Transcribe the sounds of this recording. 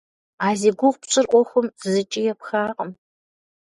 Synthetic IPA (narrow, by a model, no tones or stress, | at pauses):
aːziːɡʷʊʁʷpɕʼɨrʔʷɔxʷʊmzɨt͡ʃʼijɛpxaːqəm